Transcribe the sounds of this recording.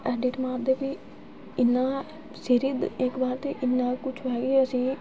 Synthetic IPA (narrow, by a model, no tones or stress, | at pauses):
ɛːɖɪʈmaːɾd̪eːpiː | ɪnːãː | sɪɾɪd̪ɪkbaːɾt̪eːʔɪnːãːkʊt͡ʃʰɦɛːɡeːəsĩː